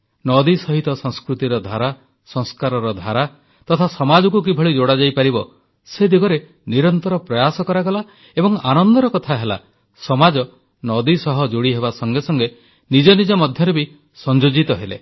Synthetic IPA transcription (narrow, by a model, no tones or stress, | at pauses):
nɔd̪isɔɦit̪ɔsɔŋskɾut̪iɾɔd̪ʱaɾa | sɔ̃ŋskaɾɔɾɔd̪ʱaɾa | t̪ɔt̪ʰasɔmad͡ʒɔkuk̬ibʱɔɭid͡ʒoɽad͡ʒajpaɾibɔ | sed̪iɡɔɾe | niɾɔnt̪ɔɾɔpɾɔjasɔkɔɾaɡɔla | ebɔŋanɔnd̪ɔɾɔkɔt̪ʰaɦela̰ | sɔmad͡ʒɔ | nɔd̪isɔɦɔd͡ʒoɽiɦebasɔŋɡesɔŋɡe | nid͡ʒɔnid͡ʒɔmɔd̪ʱjɔɾebi | sɔnd͡ʒod͡ʒit̪ɔɦelḛ